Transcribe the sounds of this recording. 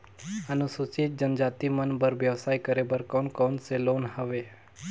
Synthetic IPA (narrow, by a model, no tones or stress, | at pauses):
ənusut͡ʃit̪̚d͡ʒənd͡ʒat̪imənbəɾʋjəʋsaːjkəɾebəɾkonkõnseloːnɦəʋe